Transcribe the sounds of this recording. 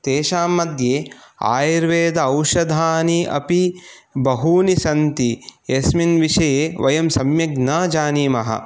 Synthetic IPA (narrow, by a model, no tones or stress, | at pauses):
t̪eːʃaːmːɐd̪jeːa̰ːjiɾʋeːd̪ɐɐwʃɐd̪ʱaːniɐ̰pi | bɐɦuːnisɐnt̪iesminʋiʂɐjeːʋɐjɐmsɐmjɐɡnaːd͡ʒaːniːmɐɦɐ̰